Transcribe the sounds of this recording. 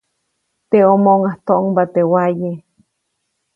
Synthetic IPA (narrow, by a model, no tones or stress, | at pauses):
t̪eomoŋaht̪oʔoŋbat̪ewaje